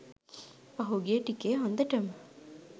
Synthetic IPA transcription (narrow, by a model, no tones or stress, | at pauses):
pɐɦuɡieʈikeːɦond̪ɐʈɐm